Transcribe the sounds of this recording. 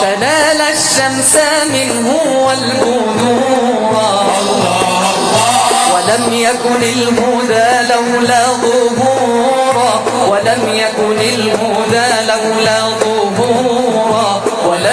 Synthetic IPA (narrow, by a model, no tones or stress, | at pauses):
t̪anaːlaʃːamsa | mɪnɦʊ | walhʊ | ðuːɾˤɑ | walamjakʊnɪlmʊðaːlawlaːɣʊbuːɾˤɑ | walamjakʊnɪlhʊ | ðaːlawlaːɣʊbuːɾˤɑ | wala